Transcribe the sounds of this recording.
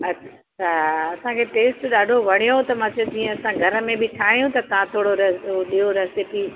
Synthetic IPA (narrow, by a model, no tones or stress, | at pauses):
ɐa | taɐsãkʰeʈeːsʈɗaːɖʱoʋɐɽ̤̃ijot̪ɐmãt͡ɕod͡ʑĩːɛ̃ɐsãɡʱɐɾəmẽbʱɪʈʰaːɦijũt̪ɐt̪ɐʋ̤ãt̪ʰoːɽoɾɐɗiɦoɾɐsɪpi